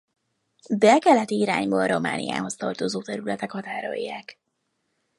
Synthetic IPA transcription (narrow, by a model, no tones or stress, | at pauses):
d̪ɛkɛlɛt̪iiɾa̰ːɲboːɾo̞ma̰ːnḭja̰ːɦo̞st̪ɒrt̪o̞zoːt̪ɛɾylɛt̪ɛkhɒt̪aːɾo̞̰jːaːk